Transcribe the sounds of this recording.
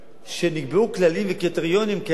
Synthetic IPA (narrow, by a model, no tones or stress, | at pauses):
ʃeniɡbeuklalimvekit̪eʁjo̞nimke